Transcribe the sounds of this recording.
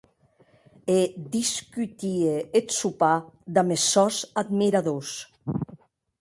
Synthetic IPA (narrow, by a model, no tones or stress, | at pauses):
ed̪iskyt̪ieet̪supad̪amesɔzad̪miɾaðos